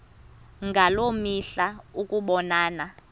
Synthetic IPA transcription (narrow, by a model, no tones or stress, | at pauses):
ŋɡʱalomiɬaukʼuɓɔnaːna